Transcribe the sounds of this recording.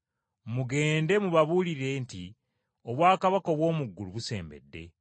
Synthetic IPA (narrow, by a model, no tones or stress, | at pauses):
muɡe̞ːnde̞muβaβuliɾiɾe̞nti | oβwaːkaβakoβwo̞ːmuɡːuluβuse̞̰ːmbe̞̰dːe̞̰